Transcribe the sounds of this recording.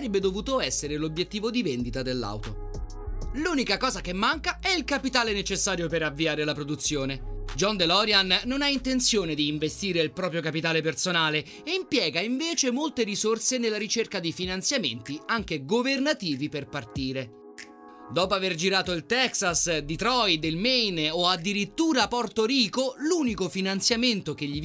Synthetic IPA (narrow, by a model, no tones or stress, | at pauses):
aɾebːed̪ovuːt̪oɛsːeɾelobjet̪ːiːvod̪ivend̪it̪ad̪elːa̰wt̪o | luːnikakɔːzakemːaŋkaɛilkapit̪aːlenet͡ʃesːaːɾjopeɾavːiaːɾelapɾod̪ut̪sːjoːned͡ʒɔnd̪elɔɾjanːonaint̪ent̪sjoːned̪iːɱvest̪iːɾeilpɾɔːpɾjokapit̪aːlepersonaːle | eimpjɛːɡaiɱveːt͡ʃemolt̪eɾisorsenelːaɾit͡ʃerkad̪ifinant̪sjamḛnt̪iaŋk̟eɡovernat̪iːviperpart̪iːɾe | d̪ɔːpoaverd͡ʒiɾaːt̪oilt̪ɛksasd̪it̪ɾɔjd̪ilmejnoad̪ːiɾit̪ːuːɾapɔrt̪oɾiːkoluːnikofinant̪sjament̪ok̟eʎːi